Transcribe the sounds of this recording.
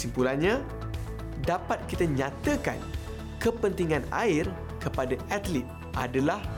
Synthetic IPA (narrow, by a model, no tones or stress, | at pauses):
simpulanɲã | dapat̪̚kit̪aɲãt̪əka̰n | kəpənt̪iŋãna̰ɪr | kəpadaat̪lit̪̚ | ʔa̰dalah